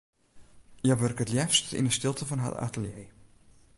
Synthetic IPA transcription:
jəʋørkətljɛfstḭnəstɪlˠtəfɔnɦa̰ta̰təljej

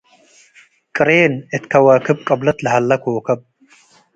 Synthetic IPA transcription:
kʼɨɾeːnɨt̪kʰɐwɐːkʰɨb̚kʼɐblɐt̪lɨɦɐlːɐkʰoːkʰɐb̚

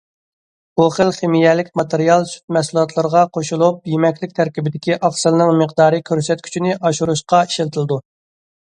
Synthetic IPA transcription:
boχəlˠχemijɛlɪkʲmɑt̪eɾijɑlˠsy̥t̪̚mɛsulˠɑt̪ʰlˠəɾəʁɑqʰoʃulˠup̚jemɛkʲlɪkʲt̪ʰæɾkʲibɪd̪ɪkʲiʔɑχsɨlˠnɨŋməqd̪ɑːɾɨkʲʰøɾsɛt̪̚kʲʰy̥t͡ʃʰinɪʔɑʃuɾuʃqɑi̥ʃlt̪ʰɨlˠɨd̪u

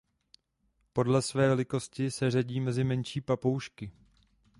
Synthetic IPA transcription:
po̞dlɛsvɛːlɪko̞scɪsɛr̝aɟiːmɛzɪmɛnʃiːpapowʃkɪ

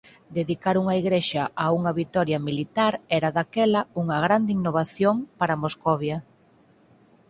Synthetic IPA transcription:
d̪eðikaɾuŋɐiɣɾeʃɐʔauŋɐβit̪ɔɾjɐmilit̪aɾɛɾaðakɛlɐuŋɐɣɾand̪ɪinoβaθjoŋpaɾamoskɔβjɐ

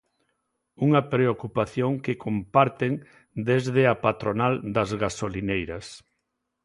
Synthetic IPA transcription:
uŋɐpɾeokupaθjoŋkekʰompaɾt̪eŋ | d̪ezðɪɐpat̪ɾonald̪ɐzɣasolinejɾɐs

